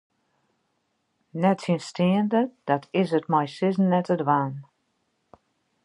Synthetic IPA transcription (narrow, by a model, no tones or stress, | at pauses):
nɛtsinstɪəndəd̥ɔtʰɪsətmajsɪzn̩ːɛtədʋaːn